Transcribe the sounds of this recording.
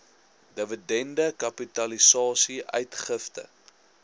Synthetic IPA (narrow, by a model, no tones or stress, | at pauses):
dəvədɛndəkɐpitɐlisɑːsiʔœ̰ɥtχəftə̰